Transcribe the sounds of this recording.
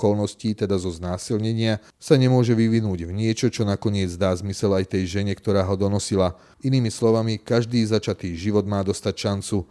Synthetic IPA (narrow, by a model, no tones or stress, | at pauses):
kɔlnɔsciːt̪ɛd̪azɔznaːsilɲɛɲɪa | saɲɛmʊɔʒɛʋiʋinuːɟvɲɪɛt͡ʃɔt͡ʃɔnakɔɲɪɛd͡zd̪aːzmisɛlajt̪ɛjʒɛɲɛkt̪ɔɾaːɦɔd̪ɔnɔsila | iniːmislɔʋamikaʒd̪iːzat͡ʃat̪iːʒiʋɔd̪maːd̪ɔst̪acʃant͡su